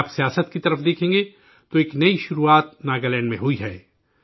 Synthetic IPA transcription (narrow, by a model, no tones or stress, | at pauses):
psijaːsət̪kit̪ɐɾəfd̪eːkʰẽːŋ̆ɡe | t̪oeːknɐiʃʊɾuaːt̪̚naːɡalɛ̃ːɳɖmẽɦuiɦɛː